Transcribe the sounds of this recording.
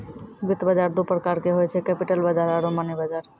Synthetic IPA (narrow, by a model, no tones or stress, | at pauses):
bit̪bəd͡ʒaɾd̪upɾəkaɾkeɦojet͡ʃʰekɛpiʈəlbəd͡ʒaɾaɾomanibad͡ʒaɾ